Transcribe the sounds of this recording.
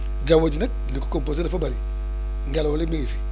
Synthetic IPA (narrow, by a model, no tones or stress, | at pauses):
d͡ʒawod͡ʒnɛk̚ | liku̥kompos̬edafabaɾi | ŋɡɛlolimiŋifi̥